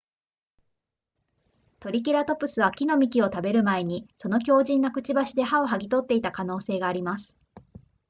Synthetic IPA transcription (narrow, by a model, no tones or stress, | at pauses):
t̪o̞ɾʲik̬ʲiɾat̪o̞pɯ̟sɨβakʲino̞mʲikʲio̞t̪abe̞ɾɯ̟mae̞ɲ̟iso̞no̞kʲo̞ːʑĩnːakɯ̟̥t͡ɕibaɕid̪e̞ɦao̞ɦaɡʲit̪o̞t̪ːe̞it̪akano̞ːse̞ːɡaːɾʲimasɨ̥